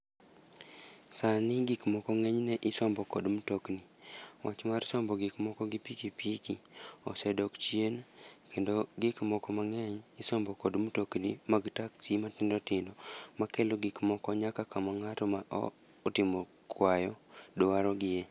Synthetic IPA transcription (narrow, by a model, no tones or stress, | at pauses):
sanɪɡikmɔkɔŋɛɲnɛʔɪsɔmbɔkɔdmutokniwat͡ʃmaɾsɔmbɔɡɪkmɔkɔɡipikipikiɔ̰sɛdɔkt͡ʃjenkendoɡɪkmɔkɔmaŋɛɲɪsɔmbɔkodmutoknimaɡtaksimatɪndɔtɪndɔmakeloɡɪkmɔkɔɲakakamaŋatɔmaʔɔ̰ː | tɪmɔ | kʰwajɔdowaɾɔɡɪje